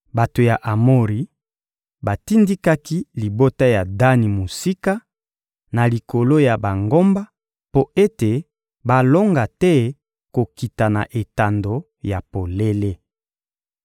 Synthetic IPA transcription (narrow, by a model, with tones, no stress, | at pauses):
ba˨to˨ja˨ʔa˨mo˦ʁi˨˦ | ba˨ti˦ndi˦ka˦ki˦li˨bo˦ta˦ja˨da˦ni˨mo˨si˦ka˦ | na˨li˨ko˨lo˦ja˨ba˨ŋɡo˦mba˦ | po˦e˦te˨ | ba˨lo˦ŋɡa˨tɛ˦ | ko˨ki˨ta˨na̰˨ʔe˨ta˨ndo˨ | ja˨po˨le˦le˦